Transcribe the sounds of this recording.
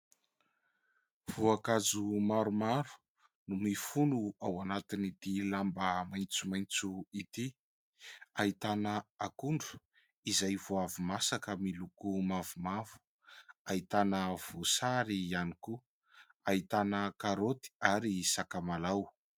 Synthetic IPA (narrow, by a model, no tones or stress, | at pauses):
v̥uakazumaɾumaɾu̥ | numifunuawanat̪init̪ilambəmajnt͡sumajnt͡suit̪i | ait̪anəakuɳɖ͡ʐu̥ | izajvoavumasakəmilukumavumavu̥ | ait̪anəv̥osaɾianiku | ait̪anəkaɾot̪i̥aɾisakamalaw